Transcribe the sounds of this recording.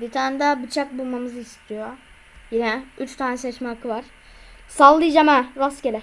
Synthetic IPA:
bit̪ʰannd̪ɛbɯt͡ʃʰak̚bulˠmamɯzɯist̪ʰijo | jinɛyt͡ʃt̪ʰaːnɛsɛt͡ʃmɛkʰːɯvaɾ̥ | salˠːɯd͡ʒamɛɾascelʲɛ

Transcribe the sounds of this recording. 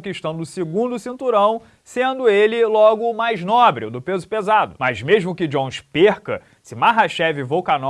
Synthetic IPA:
kiʃt̪ɐ̃w̃d̪ʊsɪɡũnd̪ʊsĩnt̪uɾɐ̃w̃ | sẽnd̪ʊelɪlɔɡʊmajznɔbɾiʊd̪ʊpezʊpezad̪ʊmɐzmeʒmʊkɪd͡ʒõʃpeɾkɐ | sɪmaɦaʃɛvɪvowkanɔ

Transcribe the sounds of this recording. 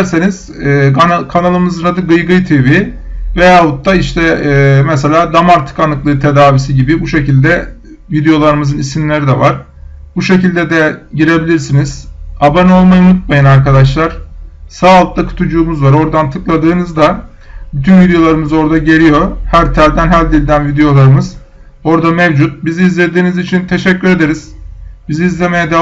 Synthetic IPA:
ɾseniz̥ː | kʰanalˠɯmɯzɯnad̪ɯɡɯjɡɯjt̪ʰevi | vejalut̪̚ːaiʃt̪ʰɛmɛse̞lʲaːd̪amaɾt̪ʰɯ̥kanɯklˠɯːt̪ʰe̞d̪aːvisiɟibibuʃe̞cilʲd̪ɛ | vid̪ejo̞lˠaɾɯmɯzɯnisinlʲe̞ɾid̪ɛvaɾ̥ | buʃe̞cilʲd̪ɛd̪ɛɟiɾe̞bilʲiɾsiniz̥abano̞lˠmajɯmɯt̪̚majɯnaɾkad̪aʃ̬lˠaɾ̥saːlˠɯt̪̚akʰɯ̥t̪ʰud͡ʒuːmuzvaɾo̞ɾd̪ant̪ʰɯklˠad̪ɯːnɯzd̪a | byt̪ʰynvid̪ejo̞lˠaɾɯmɯzo̞ɾd̪aɟe̞ɾʲijo̞hæɾt̪ʰæɾʲd̪ænɦælʲd̪ilʲd̪ænvid̪ejo̞lˠaɾɯmɯz | o̞ɾd̪amevd͡ʒut̪̚biziːzlʲe̞d̪iːnizit͡ʃʰint̪ʰe̞ʃɛcːyɾe̞d̪eɾiz̥biziːzlʲe̞me̞jɛd̪e

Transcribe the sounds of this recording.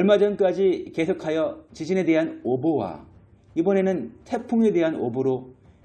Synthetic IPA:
ʌɭmad͡ʑʌnk͈ad͡ʑike̞sʰokʰajʌt͡ɕid͡ʑine̞de̞ɦanobowa̰ | ibʌne̞nɯntʰe̞pʰuŋe̞de̞ɦano̰boɾo

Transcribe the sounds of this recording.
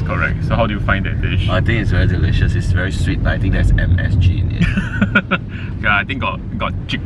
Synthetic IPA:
kʰɔɹɛ̰k̚tsohaʊwdujufãɪ̃nd̪ɛ̰t̚bɪʃajt̪ɪ̃ŋɪtsvɛɹidiliʃəsɪtsvɛɹiswit̚bata̰jt̪ɪ̃ŋ̚d̪ɛtsɛ̰̃mɛ̰sd͡ʒḭ̃nɛ̰ | kaajt̪ɪ̃ŋɡɔt̚ɡɔt̚t͡ʃik̚

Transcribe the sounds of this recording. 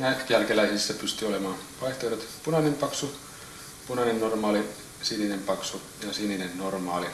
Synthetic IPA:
næijælkelæisisːæpyst̪yolemɑːnʋɑiht̪oiɾet̪punɑnempɑksu | punɑnenːormɑːli | sininempɑksu | jɑsininennormɑːli

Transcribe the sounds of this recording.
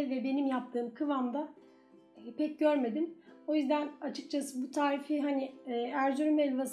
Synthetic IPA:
ɛvɛbe̞nimjap̚t̪ʰɯːmkʰɯvamd̪aː | pʰɛc̚ɟøɾme̞d̪imo̞jyzd̪ænat͡ʃʰɯk̚t͡ʃʰasɯbut̪ʰaːɾifiɦaniːæɾzyɾymɛlʲvas

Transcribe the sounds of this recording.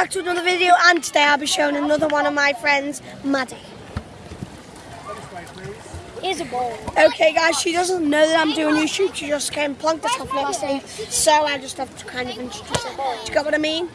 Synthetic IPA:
ak̚tʰəənʌðəvɪdioʊʔə̃ntʰədeɪaɪlˠbiʃõʊ̃nənʌðəwʌ̃nʌvmaɪfɹɛ̃ndz | madi | ɪzəbɔoʊkʰeɪɡaɪz̥ʃidʌzə̃nnoʊðəɾãɪ̃mdʉɪ̃ŋnjʉʃʉpʃid͡ʒʌsɡ̥ẽɪ̃npʰl̥ʌ̃ŋk̚ðətʰɒpnɛkstlisoʊaɪd͡ʒʌsthəvtʰə̥kʰãɪ̃ndəvɪ̃nt͡ʃɹ̥ə̥tʰɪtəd͡ʒ̥əɡɛʔwɔɾaɪmĩːn

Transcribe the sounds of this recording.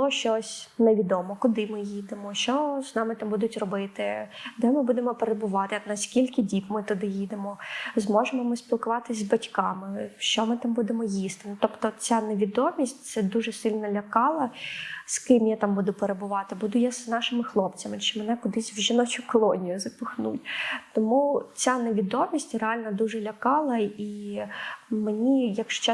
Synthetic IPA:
ʃt͡ʃɔsʲneʋʲid̪ɔmɔkʊd̪ɪmɪjid̪emɔʃt͡ʃɔznɑmɪt̪ɑmbud̪ʊtʲrɔbɪt̪ɪd̪ɛmɪbud̪emɔpeɾebʊʋɑt̪ɪnɐsʲkʲilʲkɪdʲipmɪt̪ʊd̪ɪjid̪emɔzmɔʒemɔmɪspʲilˠkʊʋɑt̪ɪzʲzbɐtʲkɑmɪʃt͡ʃɔmɪt̪ɑmbud̪emɔjist̪ɪnʊt̪ɔpt̪ɔt͡sʲaneʋʲid̪ɔmʲisʲtʲt̪sɛd̪uʒɛsɪlʲnɐlʲɐkɑlˠɐskɪmjat̪ɑmbud̪ʊpeɾebʊʋɑt̪ɪbud̪ʊjaznɑʃɪmɪxlˠɔpt͡sʲɐmɪt͡ʃɛmɛnɛkʊd̪ɪsʲʋʒɪnɔt͡ʃʊkɔlˠɔnʲijʊzɐpʊxnṵtʲt̪ɔmut͡sʲaneʋʲid̪ɔmʲisʲtʲreɑlʲnɐd̪uʒɛlʲɐkɑlˠɐi | menʲijɐkʃt͡ʃɛ

